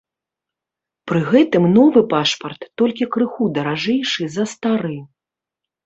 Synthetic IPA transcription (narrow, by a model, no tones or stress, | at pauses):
pɾɨɣɛt̪ɨmnɔvɨpaʂpɐrt̪ːɔlʲkʲikɾɨxud̪ɐɾaʐɛjʂɨzɐst̪aɾɨ